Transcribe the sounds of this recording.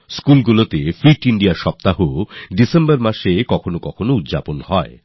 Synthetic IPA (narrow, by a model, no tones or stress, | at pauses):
skulɡulot̪efɾiʈiɳɖiaʃɔp̚t̪aɦoɖisembaɾmaʃekɔkʰonokɔkʰonoud̪d͡ʑaponhɔe